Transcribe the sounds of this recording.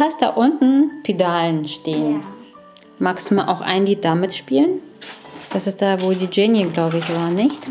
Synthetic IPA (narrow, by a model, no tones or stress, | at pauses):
fastd̥a̰ːʔʊntn̩pʰedaːlənʃteːən | maːkstumaʔa̰ʊxʔa̰ɪnliːt̚d̥amɪtʃpiːlən | d̥asɪst̚d̥aːvoːldiːd͡ʒeːnjəɡlaʊbəɪçv̥aːɐnɪçt